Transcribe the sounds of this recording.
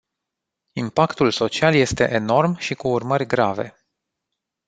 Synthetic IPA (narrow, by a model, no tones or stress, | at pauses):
impakt̪ulso̞t͡ʃialje̞st̪e̞̰ʔeno̞rmʃikuːrmərʲɡɾave̞̰